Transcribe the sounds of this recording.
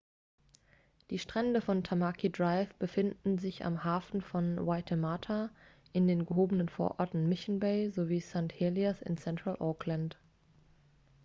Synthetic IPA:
d̥iːʃtʁ̥ɛndəfɔntʰamakʰidʁaɪfb̥əfɪndn̩zɪça̰mhaːfn̩fɔnwaɪtʰəmaːtʰa | ʔɪndeːnɡəɦoːbənənfoːɐʔɔ̰ɐtn̩mɪçn̩beɪzoviːsantheliasɪ̰nsɛntʁ̥alʔɔːklant

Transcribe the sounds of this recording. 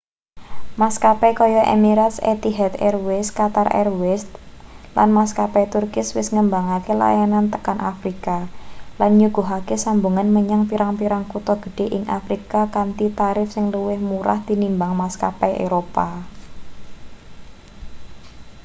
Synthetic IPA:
maskapɛkɔjɔʔḛmiɾat̪sḛt̪iɦɛt̪ɛrwɪskat̪arʔɛ̰rwɪst̪la̰nmaskapɛt̪urkɪswɪsŋəmbaŋakela̰janant̪əkanʔafɾikalanɲuɡ̥uɦakesambuŋanməɲaŋpiɾaŋpiɾaŋkut̪ɔɡ̥ə̥̤ɖ̥e̤ʔɪŋʔa̰fɾikakant̪it̪aɾɪfsɪŋluwɪhmuɾa̰hd̪̥i̤nimbaŋmaska̰pɛḛɾopa

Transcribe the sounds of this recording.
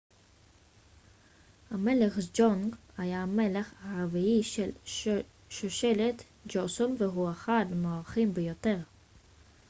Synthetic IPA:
hame̞leχd͡ʒoŋɡhajame̞leχaaviiʃel | ʃoʃe̞let̪ | d͡ʒosonveɦuaχadmoaʁχimbejot̪e̞ʁ

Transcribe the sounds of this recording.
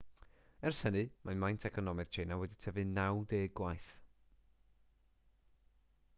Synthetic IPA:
ɛrshənɨmamajntʰɛkʰɔnɔmɨð̥t͡ʃʰejnawɛditʰəvɨnawdeːɡwajθ

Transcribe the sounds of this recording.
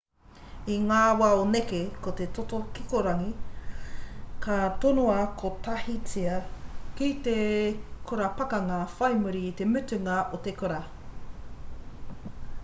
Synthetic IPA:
iŋaːwaonekekot̪et̪ot̪okikoɾɐŋi | kʰɐt̪onoɐkʰot̪ɐhit͡siɐkit̪ekʰoɾɐpɐkɐŋɐfɐjmuɾiːt̪emʉtʉŋɐʔot̪ekoɾɐ

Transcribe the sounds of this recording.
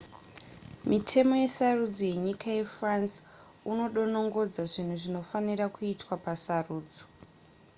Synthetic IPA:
mitʰe̞mo̞je̞sarud͡zoje̞ɲikaje̞frans | uno̞ɗo̞no̞ŋɡo̞d͡zaʐin̤uʐino̞fanirakuitwapasaruːd͡zo

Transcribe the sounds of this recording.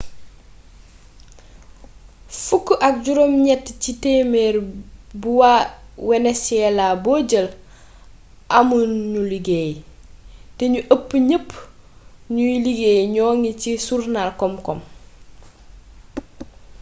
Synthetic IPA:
fukːʔɐk̚ɟuɾomɲɛtːciteːmeːɾbuwawɛnɛsɛlaboːɟəl | ʔamunɲuliɡeːj | tɛɲuʔəpːɲəpː | ɲujiliɡeːjɲɔːŋicisuɾnalkɔmkɔm

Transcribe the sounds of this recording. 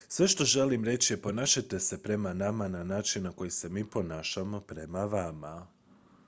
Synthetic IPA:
sʋe̞ʃt̪o̞ʒe̞limɾe̞t͡ɕijepo̞naːʃat̪e̞se̞pɾe̞manamananaːt͡ʃinnako̞jise̞miːpo̞naːʃamo̞pɾe̞maʋama

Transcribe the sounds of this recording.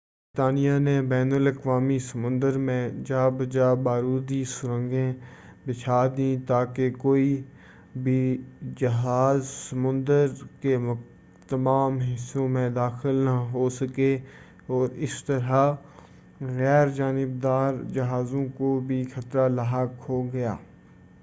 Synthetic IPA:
bɾɪt̪aːnijanebɛːnələkʋaːmisəmʊ̃nd̪əɾmẽd͡ʒaːbd͡ʒabaːɾuːd̪isʊɾə̃ŋɡẽbɪt͡ʃʰaːd̪ĩːt̪aːkekoːi | bʱid͡ʒəɦaːzsəmʊ̃nd̪əɾke | t̪əmaːmɦɪsõmẽd̪aːxɪlnaɦosəke | ɔːɾɪst̪əɾa | ɣɛːɾd͡ʒaːnɪb̚d̪aːɾd͡ʒɐɦaːzõkobʱixʰət̪ɾalaɦakɦoɡɐja̰ː

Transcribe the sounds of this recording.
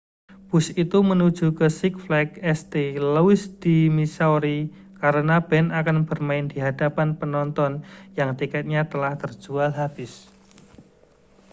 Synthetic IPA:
b̥ʊsit̪umənud̥ʒ̥ṳkəsɪk̚flɛkɛst̪elowɪsd̪̥imisawɾi | kaɾənab̥ɛnakanb̥ərmaɪnd̪̥i̤ɦad̥apanpənɔnt̪ɔnjaŋt̪ikɛt̪̚ɲat̪əlaht̪ərd̥ʒ̥ualɦab̥ɪs

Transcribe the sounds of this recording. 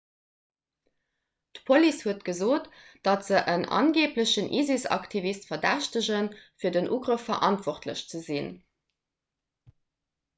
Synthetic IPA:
d̥əpʰolishuətɡ̥əzoːtd̥ɑtz̥əʔənɑ̰nɡeːpləɕənʔḭːzisɑ̰ktʰivistfɐdæɕtəʑənfiːɐdənʔuːɡʁəfːɐʔɑntv̥ɔχtlə̰ɕt͡səzin

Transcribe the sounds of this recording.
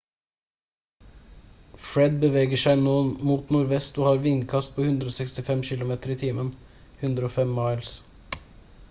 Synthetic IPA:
fɹɛd̪̚bəʋeːɡəʃæɪnoːənmuːt̪nʊɾʋɛst̪oːhɑːɾʋɪŋkʰɑst̪̚pʰoːhʉnd̪ɾəoːsɛkst̪ɪfɛmçɪlʊmeːt̪əɾiːt̪ʰiːmən | hʉnd̪ɾoːfɛmːɑɪls

